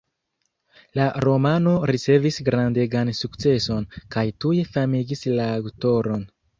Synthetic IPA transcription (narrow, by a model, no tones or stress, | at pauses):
laɾo̞mano̞ɾit͡se̞visɡɾande̞ɡansukt͡se̞so̞nkajtuje̞famiɡislaːwto̞ɾo̞n